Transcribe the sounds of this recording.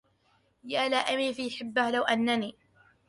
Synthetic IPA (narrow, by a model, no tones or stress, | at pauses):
jaːlaːʔamiːfijħɪbːahlawʔanːaniː